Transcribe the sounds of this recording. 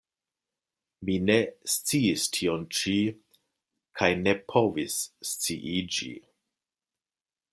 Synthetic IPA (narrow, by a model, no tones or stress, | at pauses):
mine̞st͡siistʰiont͡ʃi | kʰajne̞pʰo̞visːt͡siʔid͡ʒḭ